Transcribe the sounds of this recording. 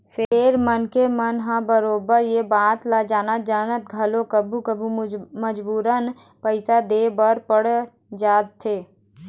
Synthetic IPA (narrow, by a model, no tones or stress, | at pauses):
pʰeɾmənkemənɦãbəɾoːbəɾjebaːt̪lad͡ʒaːnad͡ʒaːnət̪̚ɡʱəlokəbʱukəbʱuməd͡ʒbuːɾən | pəɪsad̪eːbəɾpəɽ | d͡ʒaːt̪ʰːeː